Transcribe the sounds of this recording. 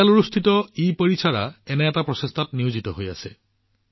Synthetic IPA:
aluɹust̪ʰitɔipəɹisʰaɹaɛnɛːtapɹɔsest̪ʰatniuzitɔɦoja̰sɛ

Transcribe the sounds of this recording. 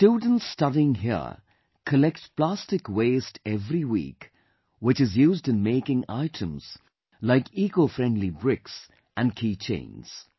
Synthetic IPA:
tud̃ⁿn̩tstʌɾiɪ̃ŋɦiə̰ | kʰəlɛk̚tpl̥æstɨkweɪstʰɛvɾiwḭːk | wɨt͡ʃɨzjuːzdɨ̃nmeɪkɪ̃ŋa̰ɪtʰə̰̃mz̥ | laɪkikofɹɛ̃ndˡlibɹɪks | ʔɨ̃nkʰiːt͡ʃʰḛ̃ɪ̃nz̥

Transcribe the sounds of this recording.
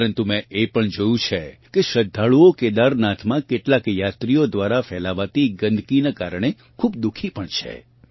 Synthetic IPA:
ɾənt̪umɛ̃epəɳd͡ʒojũt͡ʃʰekeʃəd̪ʱːaɭuoked̪aɾnat̪ʰmãkeʈlakjat̪ɾijod̪ʋaɾafɛlaʋat̪iɡənd̪ʱkinakaɾɳ̃e | kʰubd̪ukʰipəɳt͡ʃʰḛ

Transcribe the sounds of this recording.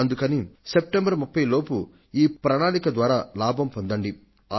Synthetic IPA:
ɐnd̪ukɐnisep̚ʈembɐɾmupːɐjlo̞ːpu | iːpɾɐnaːlikɐd̪ʋaːɾaːlaːbʱɐmpond̪ɐɳɖi | a

